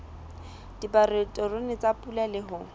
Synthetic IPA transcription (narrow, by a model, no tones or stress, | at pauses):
d̥iparetʼɔrʊnɪt͡sapʼulalɪɦʊ